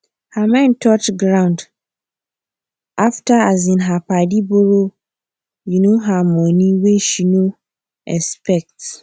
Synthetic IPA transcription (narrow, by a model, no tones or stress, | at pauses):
hamɛ̃ntʰɔt͡ʃɡɾãʊ̃nd | ʔaftaazĩnɦapadiboɾo | junoɦamɔ̃nĩweʃino | ɛspɛk̚t